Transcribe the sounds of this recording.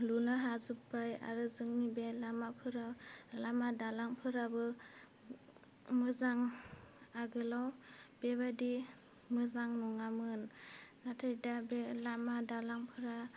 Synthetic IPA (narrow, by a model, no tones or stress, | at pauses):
lunaɦazɯpbaja̰ɾɯzɯŋnibelamapʰɯɾalamadalaŋpʰɯɾabɯ | mɯzaŋ | aɡɯlawb̥ebadi | mɯzaŋnɔŋamɯnːatʰajdabelamadalaŋpʰɯɾa